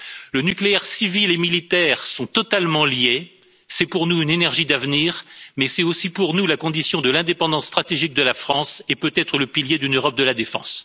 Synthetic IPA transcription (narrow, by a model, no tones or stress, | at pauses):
lənykleɛʁsivilemilit̪ɛːʁsɔ̃t̪ɔt̪almɑ̃lje | sɛpuʁnuynenɛʁʒid̪avniːʁmɛsɛt̪osipuʁnulakɔ̃d̪isjɔ̃d̪əlɛ̃d̪epɑ̃d̪ɑ̃sːt̪χat̪eʒik̚d̪əlafχɑ̃sepøt̪ɛt̪χələpiljed̪ynøʁɔp̚d̪əlad̪efɑ̰̃s